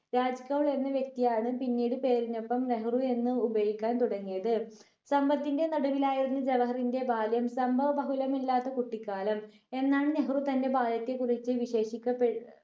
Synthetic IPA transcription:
ɾaːd͡ʑkːɐʋɭe̞nːɐʋjek̚t̪ijaːɳɨpinːiːɽɨpe̞ːɾinːo̞pːɐmneɦrue̞nːɨubɐjikʲːaːnt̪uɽɐŋːijɐðɨ | sɐmbɐt̪ːinde̞nɐɽuʋilaːjiɾunːɨd͡ʑeʋɐɦɐrinde̞baːljɐmsɐmbʱɐʋɐbɐɦulɐmilːaːt̪ːɐkuʈːikːaːlɐm | e̞nːaːɳɨneɦrut̪ɐnde̞baːljɐt̪ːekurit͡ɕːɨʋiɕe̞ːʂikʲːɐpːe

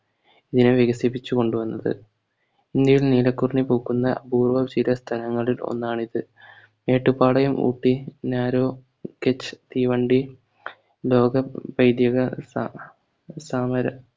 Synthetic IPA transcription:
iðinɨʋjeɣɐsip̬ːit͡ɕːuko̞ɳɖuʋɐnːɐðɨ̰ | ind̪jɐjilniːlɐkːurɳipoːkːunːɐbuːrʋɐt͡ɕiɾɐst̪ʰɐlɐŋːɐɭilo̞̰nːaːɳiðɨ | me̞ːʈːupːaːɭɐjumʔṵːʈːinaːɾo̞ː | ket͡ɕːt̪iːʋɐɳɖi | lo̞ːɡɐbɐjd̪jɐɣɐs | saːmɐɾɐ

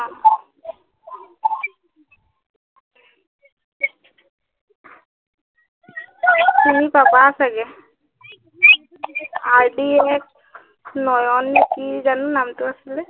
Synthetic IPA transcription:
a | kinipabasaɡɛ | aɹɖiɛk̚ | nɔjɔnːikizanunamtuasilɛ

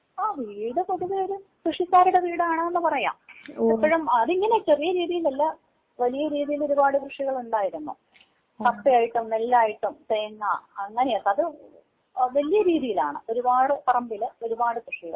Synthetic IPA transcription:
aːʋiːɽɨpoðuðeo̞ɾukrɨʂikːaːɾuɽeʋiːɽaːɳɐenːɨpɐrɐja̰ːmepːɐɻumɐðiŋːɐne̞t͡ɕe̞rijɐɾiːðijilnɐlːɐ | ʋɐlijɐɾiːðijilo̞ɾubaːɽɨkrɨʂiɣɐɭuɳɖaːjiɾunːṵ | t̪ɐpːijaːjiʈːumnelːaːjiʈːumteːnːɐ̰ɐŋːɐnejɐt̪ːɐðɨ | ʋɐlijɐɾiːðijila̰ːɳɨ̰o̞ɾubaːɽɨpɐrɐmbilɨo̞ɾubaːɽɨkrɨʂiɣɐ̰ɭ

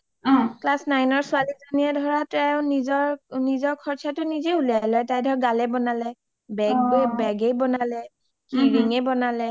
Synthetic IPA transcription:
ɔ̃klasnajnɔɹsʊalizaniɛdʱɔɹatɛʊ̃nizɔɹnizɔɹkʰɔɹtʰatʊnizeulalɔjtajdʱɔɹɡalɛbɔnalɛ | bɛɡbɛɡejbɔnalɛ | kiɹiŋɛbɔnalɛ

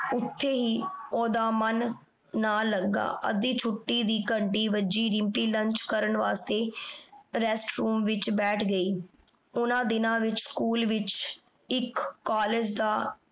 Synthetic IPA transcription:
ʊt̪ʰːeːɦiːoːd̪aːmənː | aːləɡːa̰ːʔə̰d̪iːt͡ʃʰʊʈːiːd̪iːkəɳɖiːʋəd͡ʒiːɾɪmpiːləɲt͡ʃkəɾəɳʋaːst̪eː | ɾɛsʈɾuːmʋɪt͡ʃbɛːʈʰɡəiː | ʊnãːd̪ɪnãːʋɪt͡ʃskuːlʋɪt͡ʃ | ɪkːaːleːd͡ʒd̪aː

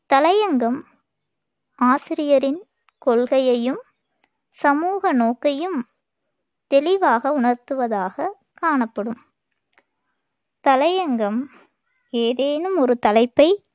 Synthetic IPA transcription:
t̪ɐlɐjɐŋɡɐm | aːsɪɾɪjɐɾɪn | kɔɭɣɐjɐjɯm | sɐmuːɣɐnoːkːɐjɯm | t̪ɛlɪʋaːɣɐʊɳɐɾt̪ɯʋɐðaːɣɐ | kaːɳɐpːɐɽɯm | t̪ɐlɐjɐŋɡɐm | eːðeːnɯmɔɾɯt̪ɐlɐɪpːɐɪ

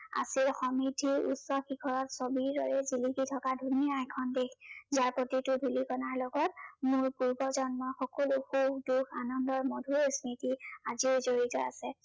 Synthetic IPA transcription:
a̰silxɔmitʰiɹṵsɔxikʰɔɹɔtsobiɹɹɔɹɛzilikitʰɔkadʱuniajkʰɔndekʰzaɹpotitʊbʱilikɔnaɹlɔɡɔt̚mʊɹpuɹbɔzɔnmɔxɔkɔluxudukʰanɔndɔɹmodʱuɹesmitiazizoɹitɔa̰sɛ

